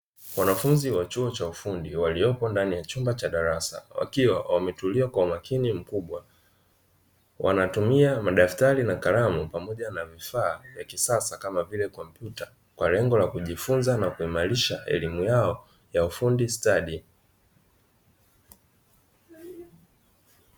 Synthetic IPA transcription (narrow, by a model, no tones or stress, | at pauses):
wanafunziwat͡ʃuɔt͡ʃaufundiwaliɔpɔndanijat͡ʃumbat͡ʃaɗaɾasa̰wa̰kiwawamɛtuliakwaumakʰinim̩kuɓwa | wʔa̰natumiamaɗaftaɾinakaɾamupamɔʄanavifaːvjakisasakamavilɛkɔm̩pjuta | kwalɛŋɡɔlakuʄifunzanakuimaɾiʃaʔɛ̰limujaɔ | jaufundistaɗi